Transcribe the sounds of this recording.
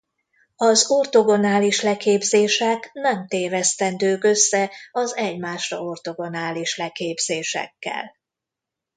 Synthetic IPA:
ɒzort̪o̞ɡo̞naːliʃlɛkeːbzeːʃɛknɛmt̪eːvɛst̪ɛnd̪øːkø̞sːɛɒzɛɟmaːʃrɒ̰o̞rt̪o̞ɡo̞naːliʃlɛkeːbz̥eːʃɛ̰kːɛ̰l

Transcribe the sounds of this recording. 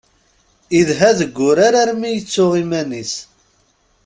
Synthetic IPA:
iðɦæðəɡʷːʊɾaɾaɾmijət͡sːʊʁimænis

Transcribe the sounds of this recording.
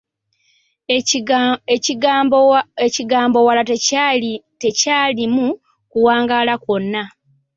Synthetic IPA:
eciɡaːmbo̞wala | te̞caːlimu | kuwaːŋɡaːlako̞nːa

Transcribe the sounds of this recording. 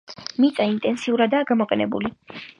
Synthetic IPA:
mit̪sʼaint̪ʼɛnsiuɾad̪aːɡamɔqʼɛnɛ̰bṵli

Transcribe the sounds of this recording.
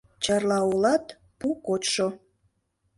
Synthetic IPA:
t͡ɕɑrlɑolɑt̪ | pukot̪ʃo

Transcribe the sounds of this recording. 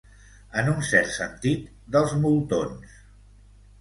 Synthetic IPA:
ənunsɛɾt̪sə̰nt̪it̪̚ | d̪əlˠzmulˠt̪ons

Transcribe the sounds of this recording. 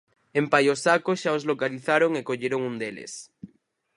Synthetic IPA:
empajosakosʃaozlokaliθaɾoŋekoʎeɾoŋund̪elḛs

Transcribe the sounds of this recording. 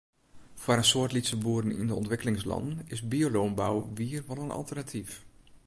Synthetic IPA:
fwaɾənsoərtlitsəbuːəɾənḭndəɔntʋɪkəlɪŋslɑ̰ndənɪsbioloːnbawʋiərʋɔlənɑ̰lˠtərnatʰif

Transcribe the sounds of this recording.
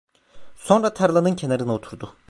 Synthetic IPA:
so̞nɾat̪ʰaɾlˠanɯncʰe̞naɾɯnaot̪ʰuɾd̪u

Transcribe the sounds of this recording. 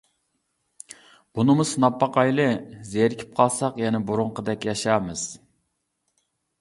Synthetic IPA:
b̥unɨmʊsnɑpːɑqɑjlˠɨzeɾkʲʰi̥p̚qʰɑlˠsɑqjɛnɛbuɾʊɴqəd̪ɛkʲjɑʃɑːmɨz̥

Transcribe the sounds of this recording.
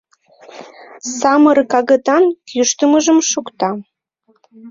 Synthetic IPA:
sɑmərkɑɣət̪ɑnkʰyʃt̪əməʒəmʃukt̪ɑ

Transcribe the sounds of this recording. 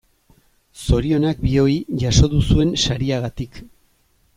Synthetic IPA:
so̞ɾio̞nak̚bio̞iʝaso̞ðusue̞nʃaɾiaɣat̪ik

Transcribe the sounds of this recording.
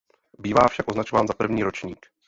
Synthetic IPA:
biːvaːfʃakʔo̞znat͡ʃovaːnzapr̩vɲiːɾo̞t͡ʃɲiːk

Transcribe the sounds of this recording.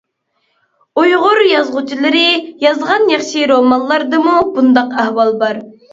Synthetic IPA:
ujʁʊɾjɑzʁʊt͡ʃʰilɪɾɪjɑzʁɑnjɑχʃiɾomɑnlˠɑɾd̪ɨmubund̪ɑqæhwɑlˠbɑɾ

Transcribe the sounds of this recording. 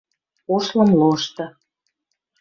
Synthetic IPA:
oʃlɤ̆mloʃt̪ɤ̆

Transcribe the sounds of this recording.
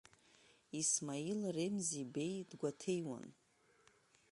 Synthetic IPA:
ismailremzibe̞jdɡʷatʰejwa̰n

